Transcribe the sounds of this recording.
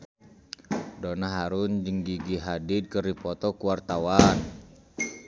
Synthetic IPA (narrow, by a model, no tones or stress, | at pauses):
dɔnaɦaɾund͡ʒəŋɡiɡiɦadid̪̚kəripɔt̪ɔkuwart̪awan